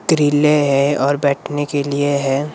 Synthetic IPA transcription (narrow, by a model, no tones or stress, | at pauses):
kɾiːleɦɛɔːɾbɛːʈʰnekelieɦɛː